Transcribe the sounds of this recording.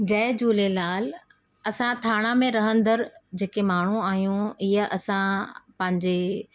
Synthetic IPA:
d͡ʑɐːd͡ʑuːlelaːl | ɐsãt̪ʰaːɽ̃amẽɾɐɦə̃nd̪əɾd͡ʑeːkemaːɳ̤uaːɦijũɪɦəʔɐsãpɐ̃ɦɪ̃ɲd͡ʑe

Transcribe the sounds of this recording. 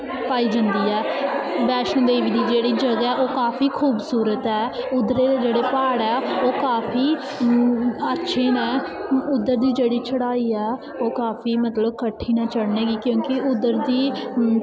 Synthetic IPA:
paːiːd͡ʒãnd̪iːɛːbɛːʃə̃nd̪eːʋiːd̪iːd͡ʒeːɽiːd͡ʒəɡɛːʔoːkaːpʰiːkʰuːbsuːɾət̪ɛːʊd̪ːəɾeːd̪eːd͡ʒeːɽeːpaːɽɛːoːkaːpʰiː | ətːʃʰeːnãːʊd̪ːəɾd̪iːd͡ʒeːɽiːt͡ʃʰəɽaːiːɛː | oːkaːpiːmət̪ləbkəʈʰːiːnaːt͡ʃəɽneːɡiːkjõːkɪʊd̪əɾd̪iː

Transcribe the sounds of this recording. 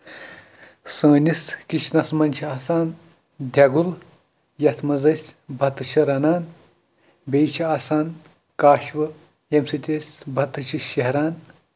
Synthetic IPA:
sɐ̃ːnʲiskiʃnɐsmɐnʲt͡ʃʰiaːsaːn | d̪ʱjɐɡul | jɐt̪ʰmɐzɐsʲbʱɐt̪ɨt͡ʃʰɐɾɐnaːn | beːt͡ʃʰiaːsaːn | kaːʃʋɐ | emsit̪ʲesʲbʱɐt̪ɨt͡ʃʰiʃɐɦɾaːn

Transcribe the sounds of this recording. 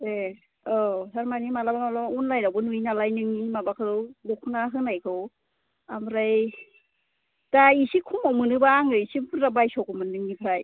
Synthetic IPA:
e | ɔsaɾmanimalabamalamaunlajɾawbɯnujnalajnɯŋnimabakʰɯɾɯwlukʰunaɦɯnajkʰɯw | amɾaj | taisikʰumawmɯnɯbaːŋɯisibuɾabajsɔkɔmɯnːɯŋnipʰɾaj

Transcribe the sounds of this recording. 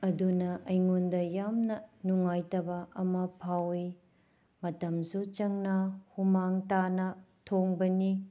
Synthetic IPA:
ɐdunɐʔɐjŋondɐjamnɐnuŋajtɐbɐɐmɐpʰawi | mɐtɐmsut͡ʃɐŋnɐhumaŋtanɐtʰoŋbɐni

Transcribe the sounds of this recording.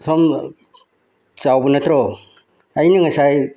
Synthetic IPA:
sʰɔm | t͡ʃawbɯnat̪ʰɾɔ | ajniŋasaj

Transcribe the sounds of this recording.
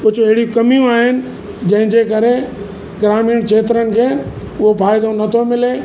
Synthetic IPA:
pʊt͡ɕʰoɐɦɪɽikɐmijũaːɦɪnɪ̆ | d͡ʑɐ̃ɦɪ̃d͡ʑeːkɐɾe | ɡɾaːmiːɽ̃kʰeːt̪ɾənɪ̆kʰeː | ʊɦopʰaːɪd̪õnɐt̪ʰomɪleː

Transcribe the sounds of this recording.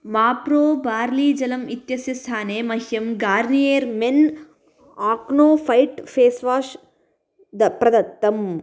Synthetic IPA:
maːpɾoːbaːɾliːd͡ʒɐlɐmit̪jɐsjɐst̪ʰaːneːmɐɦjɐmɡaːɾnijeːɾmen | aːknoːfɐjʈfʰeːsʋaːʃ | d̪ɐpɾɐd̪ɐt̪ːɐm

